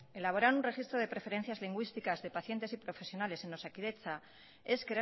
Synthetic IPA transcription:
e̞laβ̞o̞ɾaɾunre̞xist̪ɾoð̞e̞pɾe̞fe̞ɾe̞n̟θjazliŋɡwist̪ikazðe̞paθje̞nt̪e̞sipɾo̞fe̞sjo̞nale̞se̞no̞sakiðe̞t͡sa | e̞ske

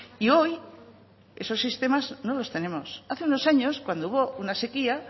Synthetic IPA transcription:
io̞j | e̞so̞sːist̪e̞mazno̞lo̞st̪e̞nẽ̞mo̞saθe̞uno̞saɲo̞skwand̪ouβo̞unase̞kia

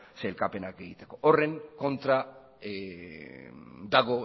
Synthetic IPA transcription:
se̞lkape̞nake̞ɣit̪e̞̥ko̞ʔore̞ŋko̞nt̪ɾa | d̪aɣ̞o̞

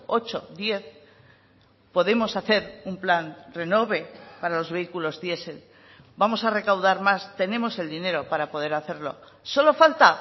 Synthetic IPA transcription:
o̞t͡ʃo̞̰ðje̞θ | po̞ðe̞mo̞saθe̞ɾumplanre̞no̞βe̞paɾalo̞zβe̞ikulo̞zðje̞se̞l | bamo̞sare̞kawðaɾmast̪e̞nẽ̞mo̞se̞ld̪ine̞ɾo̞paɾapo̞ð̞e̞ɾaθe̞ɾlo̞̰ | so̞lo̞falt̪a

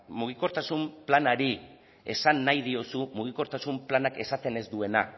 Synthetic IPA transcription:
muɣ̞iko̞ɾt̪asumplanaɾi | e̞̰sanːajð̞io̞sumuɣ̞iko̞ɾt̪asumplanake̞sat̪e̞ne̞zd̪ue̞na̰

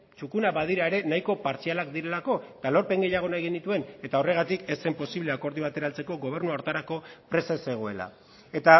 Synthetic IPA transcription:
t͡ʃukunaβað̞iɾaeɾe̞najko̞paɾt͡sialakd̪iɾe̞lako̞et̪alo̞ɾpe̞ŋɡe̞jaɣ̞o̞najɣ̞enit̪ue̞ne̞t̪ao̞re̞ɣ̞at̪ike̞se̞mpo̞siβle̞ako̞ɾðiβ̞at̪e̞ɾalt͡se̞ko̞ɣo̞β̞e̞rnuawɾt̪aɾako̞pɾe̞sase̞ɣ̞o̞e̞la̰ | e̞t̪a

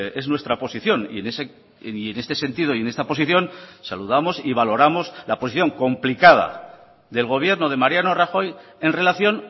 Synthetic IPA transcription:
e̞znwest̪ɾapo̞siθjo̞nḭenese | ienest̪e̞se̞nt̪ið̞o̞ie̞ne̞st̪apo̞s̬iθjo̞nsaluðamo̞siβ̞alo̞ɾamo̞slaposiθjo̞ŋko̞mplikað̞a̰ | ðe̞lɣ̞o̞β̞je̞ɾnoð̞e̞maɾjano̞raxo̞je̞nre̞laθjo̞n

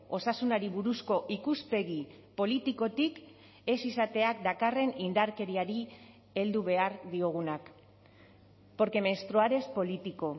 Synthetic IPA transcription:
o̞sasunaɾiβuɾusko̞ʔikuspe̞ɣi | po̞lit̪iko̞t̪ik | e̞sisat̪e̞ak̚d̪akare̞nind̪aɾke̞ɾiaɾi | e̞ld̪uβe̞aɾðio̞ɣ̞unak | po̞ɾke̞mest̪ɾoaɾe̞spo̞lit̪iko̞

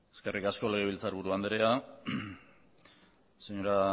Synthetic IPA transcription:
eske̞rʔikasko̞le̞ɣ̞e̞β̞ilt͡saɾβuɾuand̪eɾea | seɲoɾa

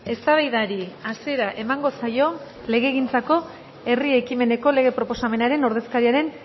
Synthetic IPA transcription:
e̞st̪aβajðaɾiasie̞ɾaʔe̞maŋɡo̞sajo̞ | le̞ɣe̞ːɣ̞int͡sako̞ | e̞rie̞kime̞ne̞ko̞le̞ɣe̞pɾo̞po̞same̞naɾe̞no̞ɾðe̞skaɾiaɾe̞n

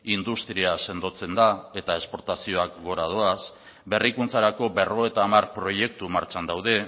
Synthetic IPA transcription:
ind̪ust̪ɾiase̞nd̪o̞t͡se̞nd̪ae̞t̪ae̞spo̞ɾt̪asio̞akɡo̞ɾað̞oas | be̞rikunt͡saɾako̞be̞ro̞et̪aːmarpɾo̞je̞k̚t̪umaɾt͡ʃand̪awðe̞

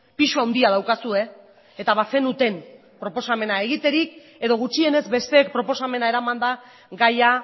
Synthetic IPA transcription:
piʃuawnd̪iað̞awkasue̞ | et̪aβase̞nut̪e̞m | pɾo̞po̞same̞nae̞ɣ̞it̪e̞ɾik | e̞ðo̞ɣ̞ut͡ʃie̞ne̞zbe̞st̪e̞ːk̚pɾo̞po̞same̞nae̞ɾamand̪a | ɡaja

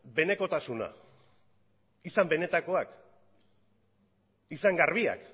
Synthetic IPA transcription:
be̞ne̞ko̞t̪asuna̰ | isambe̞ne̞t̪ako̞ak | isaŋɡarβ̞ia̰k

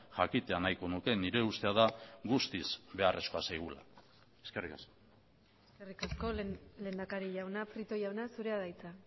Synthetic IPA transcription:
ʝakit̪eanajko̞nuke̞niɾe̞ust̪e̞aðaɣust̪izbe̞are̞sko̞asajɣ̞ula̰ | e̞skerikaso | eskerikasko̞le̞nd̪akaɾiʝawnafɾit̪o̞ʝawnasuɾe̞aðajt͡sa

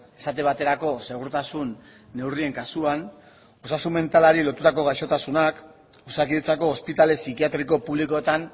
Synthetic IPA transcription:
e̞sat̪e̞βat̪e̞ɾako̞se̞ɣ̞uɾt̪asunː | e̞wrie̞ŋkasuan | osasume̞nt̪alaɾilo̞t̪ut̪ako̞ɣ̞ajʃo̞t̪asunak | osak̬iðet͡sako̞ːspit̪ale̞sikiat̪ɾiko̞puβliko̞et̪an

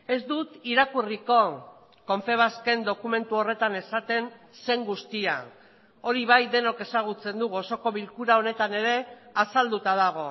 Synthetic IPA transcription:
e̞zd̪ut̪iɾakuriko̞ | ko̞ɱfe̞β̞aske̞nd̪o̞kume̞nt̪uo̞re̞t̪ane̞sat̪e̞nse̞ŋɡust̪ia̰ | o̞ɾiβ̞ajd̪e̞no̞ke̞saɣ̞ut͡se̞nd̪uɣo̞so̞ko̞βilkuɾao̞ne̞t̪ane̞ɾe̞asald̪ut̪að̞aɣ̞o̞

